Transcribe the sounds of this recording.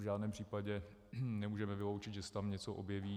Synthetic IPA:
ʒaːdnɛːmpr̥iːpaɟɛ | nɛmuːʒɛmɛvɪlowt͡ʃɪd̪ʒɛsɛ̥t̪amɲɛt͡soʔo̰bjɛviː

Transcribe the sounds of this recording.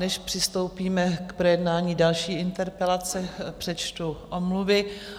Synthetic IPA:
nɛʃpr̥ɪst̪o̞wpiːmɛkpɾojɛdnaːɲiːdalʃiːɪnt̪ɛɾpɛlat͡sɛpr̥ɛt͡ʃt̪uʔomluvɪ

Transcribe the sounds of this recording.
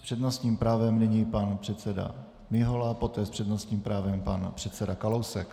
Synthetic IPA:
pr̥ɛdnost̪ɲiːmpɾaːvɛmnɪɲipanpr̝̥ɛt̪t͡sɛda̰ | mɪɦolapo̞t̪ɛːspr̥ɛdnost̪ɲiːmpɾaːvɛmpa̰npr̥ɛt̪sɛdakalowsɛk

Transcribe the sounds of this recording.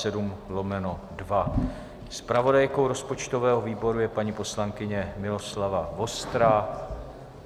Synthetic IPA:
ɛdumlomɛnodva | spɾavo̞dajko̞wɾo̞spot͡ʃt̪ovɛːɦo̞viːbo̞ɾujɛpaɲipo̞slaŋkɪɲɛmɪlo̞slavavo̞st̪ɾa

